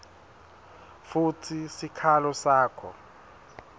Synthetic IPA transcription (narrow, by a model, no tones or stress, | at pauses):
futʰisikʰalɔsaːkʰɔ̰